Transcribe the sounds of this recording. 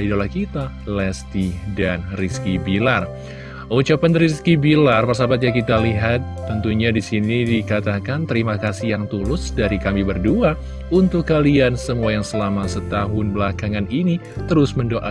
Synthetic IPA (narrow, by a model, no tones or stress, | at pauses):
idolahkit̪a | lɛst̪idanriskibilar | ut͡ʃapanriskibilarpərs̬abat̪̚ɲakit̪aliɦat̪ːənt̪uɲadisinidikat̪akant̪əɾimakasijaŋt̪ulʊsdaɾikamibərdua | unt̪ʊkːaliansəmuajaŋsəlamasət̪aɦʊnbəlakaŋanini | t̪əɾʊsməndoʔa